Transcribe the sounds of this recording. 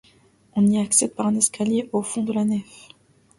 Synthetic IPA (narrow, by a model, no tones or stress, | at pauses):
ɔ̃niaksɛd̪̚paʁɛ̃nɛskaljeʔofɔ̃d̪əlanɛf